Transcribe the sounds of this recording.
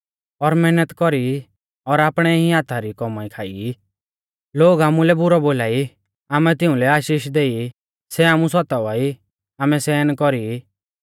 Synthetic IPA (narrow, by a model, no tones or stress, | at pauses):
ɔɾmɛnət̪kɔɾi | ɔɾaːpɽ̃ɛĩaːt̪ʰaɾikɔmaikʰaːi | loːɡamũlɛbʊɾɔboːlaːi | aːmɛt̪ɪ̃ũlɛaːʃiːʃd̪eːi | sɛamũsɔt̪aʋaːi | aːmɛsɛːnkɔɾi